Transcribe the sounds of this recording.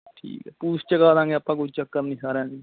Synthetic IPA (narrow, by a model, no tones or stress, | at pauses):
ʈʰḭːkɛːpuːst͡ʃəɡaːd̪ãːŋɡeəpːãːkʊd͡ʒt͡ʃəkːəɾnĩːsaːɾãːniː